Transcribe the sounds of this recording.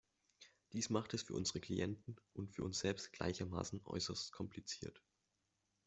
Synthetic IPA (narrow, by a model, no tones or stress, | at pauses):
d̥iːsmaχtɛsfyːɐʔʊnzəʁəkʰl̥iʔɛntn̩ʔʊntfyːɐʔʊnsz̥ɛlpstɡ̥la̰ɪçɐma̰ːsn̩ʔɔ̰ʏsɐstkʰɔmplit͡siːɐt